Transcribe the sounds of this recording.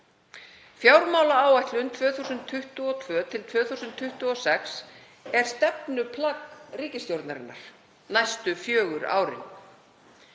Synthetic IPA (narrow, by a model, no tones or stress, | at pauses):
fjaːwɾmaːwlaaːwajht̪lʏnt̪ʰvœːθuwsʏnt̪ʰːʏht̪ʏɔt̪ʰvœːt̪ʰɪlt̪ʰv̥œːθusʏnt̪ʰːʏht̪ʏɔsɛks | ɛɾ̥st̪ɛp̚nʏpʰlakriːcɪst̪jowɾt̪naɾɪ̰nːa̰ɾ̥ | najst̪ʏfjœːɣʏɾa̰ːwɾɪ̰n